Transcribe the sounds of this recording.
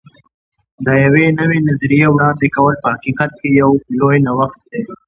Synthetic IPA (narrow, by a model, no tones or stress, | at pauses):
d̪əjawenəwenazɾijewɽɑːnd̪ekɐwəlpəhaqiqat̪̚kejawlojnawaxt̪̚d̪e